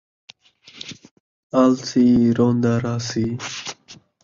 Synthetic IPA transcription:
alt͡siɾoːnd̪aɾaːsi

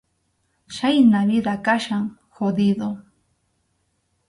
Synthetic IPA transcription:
ʃajnaɾɪd̪akaʃaŋ | xod̪ɪd̪o

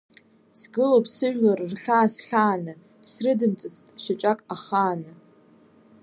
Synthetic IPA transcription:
sɡɨlopʰʼsɨʒᶣlarrχʲaːsχʲaːnɨ | srɨdɨnt͡sʼɨt͡sʼtʼʃat͡ʃʼakʼaχaːnɨ

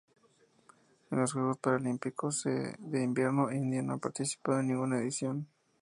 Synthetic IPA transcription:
enlo̞zɣɾupospaɾalimpikʰosḛðeimbje̞ɾnoind̪janoapaɾt̪isi̥paðoenːĩŋɡunaeðisjo̞n

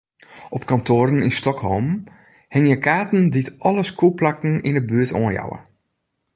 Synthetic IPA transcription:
ɔpkantʰoːɾən̩instɔkhɔ̰lˠm | hɪŋjəkaːtn̩ditʔɔləskʰuplakn̩inəbyətʰo̰ːənja̰wə̰

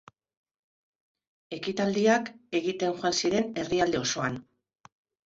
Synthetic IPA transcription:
e̞kit̪ald̪iake̞ɣit̪e̞ŋʝoansiɾe̞ne̞riald̪e̞o̞so̞an

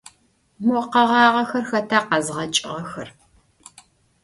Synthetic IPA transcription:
mɔqɐʁɑːʁɐxɐrxɐtʰaːqɐzʁɐt͡ʃʼɪʁɐxɐr

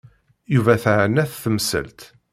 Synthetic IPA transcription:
juvæθəʕənːæθθəmsə̰lt̪

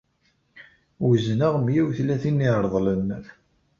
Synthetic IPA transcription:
uznaʁmjæwθlæθinːiɾˤðˤlən

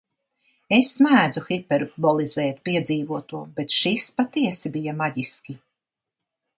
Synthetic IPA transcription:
esːmæːd̪zuxipɛɾbɔlˠizɛːt̪̚piɛd̪ziːvuɔt̪uɔbet̪ʃispat̪iɛsibijamaɟiskʲi

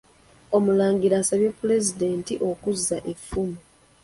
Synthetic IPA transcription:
omulaːŋɡiɾasaβjepːule̞zide̞ːntiʔo̞kuzːaʔe̞fːumu

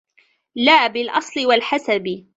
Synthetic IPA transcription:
laːbɪlʔɑsˤlɪwalħasab

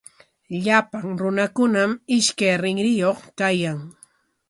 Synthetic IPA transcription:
ʎapaŋɾʊnakʊnamɪʃkajɾɪŋɾɪjoχkajaŋ

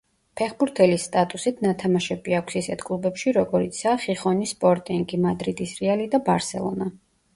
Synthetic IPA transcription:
pʰɛχbuɾt̪ʰɛlisːt̪ʼat̪ʼusit̪ʰnat̪ʰamaʃɛbiakʷʰsisɛt̪ʰkʼlˠubɛpʃiɾɔɡɔɾit̪sʰaːχiχɔnispʼɔɾt̪ʼiŋɡimad̪ɾid̪isɾɛalid̪abaɾsɛ̰lˠɔ̰na

